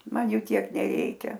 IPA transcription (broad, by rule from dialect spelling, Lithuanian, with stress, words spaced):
ˈmɐn ˈjuː ˈtʲiɛk nʲɛˈrʲɛɪkʲɛ